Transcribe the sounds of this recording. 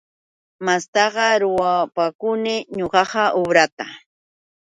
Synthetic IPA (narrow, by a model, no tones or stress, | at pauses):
mast̪ɑɢɑɾʊwapakʊnɪɲoɢɑɢɑʔobɾat̪a